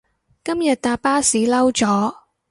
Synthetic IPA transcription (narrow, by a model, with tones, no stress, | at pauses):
kɐ˥mjɐ˨t̪̚t̪aː˨˧p̚paː˥siː˨˥lɐ˥wt͡sɔː˨˥